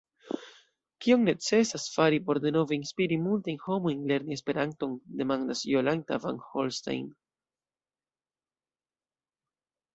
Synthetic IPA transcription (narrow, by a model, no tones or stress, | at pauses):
kio̞ŋne̞t͡se̞sasfaɾipo̞ɾde̞no̞veinspiɾimultajnho̞mo̞jnle̞ɾnie̞spe̞ɾanto̞nde̞mandasjo̞lanta̰va̰nho̞lsta̰jn